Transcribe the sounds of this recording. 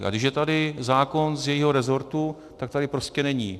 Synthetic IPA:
ʔa̰ɡdɪʃjɛt̪adɪzaːko̞nzjɛjiːɦo̞ɾɛzo̞ɾt̪u | t̪ak̚t̪adɪpɾo̞scɛnɛɲiː

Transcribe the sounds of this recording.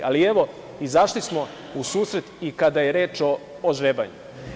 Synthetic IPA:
alie̞ʋo̞ | izaʃlismo̞ | usuːsɾe̞t̪ikad̪aje̞ɾeːt͡ʃoː | ʒɾeːba̰ɲṵ

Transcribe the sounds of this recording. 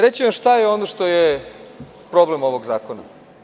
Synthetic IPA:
ɾet͡ɕiʋamʃt̪ajeo̞noʃt̪o̞je | pɾo̞ble̞mo̞ʋo̞ɡzaːkona̰

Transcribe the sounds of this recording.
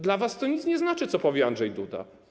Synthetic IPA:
d̪lavast̪ɔɲit̪sɲɛznat͡ʂɘt̪sɔpɔvʲjɛandʐɛjd̪ud̪a̰

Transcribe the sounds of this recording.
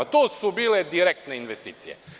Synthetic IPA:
at̪oːsubiːled̪iɾek̚t̪neinʋest̪iːt̪sijḛ

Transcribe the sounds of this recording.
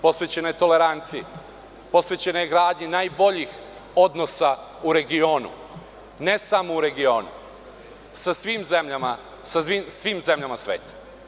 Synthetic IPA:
po̞sʋet͡ɕenojet̪o̞le̞ɾant̪sije | po̞sʋet͡ɕe̞nojeɡɾaːd̪ɲenajbo̞ʎix | o̞d̪no̞sa | uɾe̞ɡio̞ːnṵ | ne̞samouɾe̞ɡio̞ːnṵ | sasʋiːmzemʎama | sasʋiːmsʋiːmze̞mʎamasʋeːt̪ḁ

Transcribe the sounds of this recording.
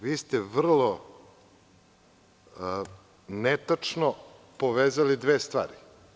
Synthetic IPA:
ʋiːst̪ɛʋr̩lˠo | net̪at͡ʂno | poʋeːzalid̪ʋeːst̪ʋa̰ːɾi

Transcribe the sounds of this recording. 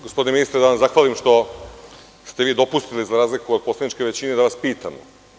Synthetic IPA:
ɡospoineinist̪ɾed̪aʋaszaxʋaːlimʃt̪o̞ | st̪eʋiːd̪o̞pust̪ilizaɾaːzlikuod̪̚po̞sled̪nit͡ʃke̞ʋe̞t͡ɕine̞d̪aʋaspiːt̪amo̰

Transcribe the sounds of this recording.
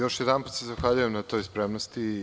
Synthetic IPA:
jo̞ʃjɛd̪anput̪sezaxʋaʎujemnat̪o̞jspɾemnost̪i

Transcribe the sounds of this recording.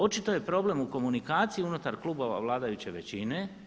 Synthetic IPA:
o̞t͡ʃit̪o̞je̞pɾo̞ble̞muko̞munikaːt̪sijiunut̪aɾklˠuːbo̞ʋa̰ʋlˠaːd̪ajut͡ɕe̞ʋe̞t͡ɕine̞

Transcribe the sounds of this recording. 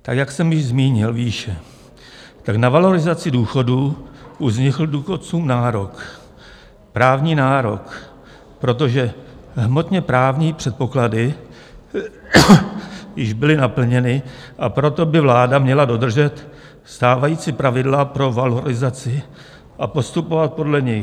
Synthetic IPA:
t̪akjaksɛmjɪʒzmiːɲɪlviːʃɛ | t̪aknavalo̞ɾɪzat͡sɪduːxo̞duːʔuzɲɪkl̩duːxo̞t͡suːmnaːɾo̞k | pɾaːvɲiːnaːɾo̞k | pɾo̞t̪̬o̞ʒɛɦmo̞t̪ɲɛpɾaːvɲiːpr̝̥ɛt̪̚po̞kladɪ | jɪʒbɪlɪnapl̩ɲɛnɪʔapɾo̞t̪o̞bɪvlaːdamɲɛlado̞d̪r̩ʒɛt̪ | st̪aːvajiːt͡sɪpɾavɪdlapɾo̞valo̞ɾɪzat͡sɪ | ʔapo̞st̪upo̞vat̪̚po̞dlɛɲɪ

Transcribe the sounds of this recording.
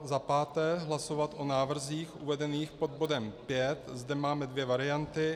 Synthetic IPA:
zapaːt̪ɛːɦlaso̞vat̪ʔo̞naːvr̩ziːxʔuvɛdɛniːxpo̞d̪̚bo̞dɛmpjɛt̪zdɛmaːmɛdvjɛvaɾɪant̪ɪ

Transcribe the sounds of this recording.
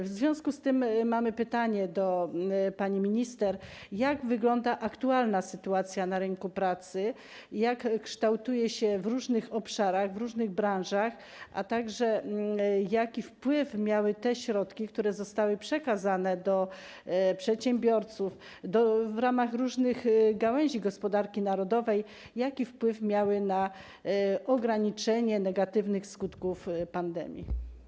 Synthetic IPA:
vzvʲjɔ̃w̃skust̪ɘmːamɘpɘt̪aɲɛd̪ɔpaɲimʲiɲist̪ɛɾjaɡvɘɡlɔnd̪aʔakt̪ualnasɘt̪uat̪sʲjanaɾɘŋkupɾat̪sɘ | jakːʂt̪awt̪ujɛɕɛvɾuʐnɘxɔpʂaɾaɣvɾuʐnɘɣbɾãnʐax | ʔa̰t̪aɡʐɛ | jakʲifpwɘfmʲjawɘt̪ɛɕɾɔt̪kʲikt̪uɾɛzɔst̪awɘpʂɛkazanɛd̪ɔ | pʂɛt̪ɕɛmbʲjɔɾt̪suf | d̪ɔvɾamaɣɾuʐnɘɣɡawɛw̃ʑiɡɔspɔd̪aɾkʲinaɾɔd̪ɔvɛj | jakʲifpwɘfmʲjawɘna | ʔɔɡɾaɲit͡ʂɛɲɛnɛɡat̪ɘvnɘxskut̪kufpand̪ɛ̰mʲjḭ

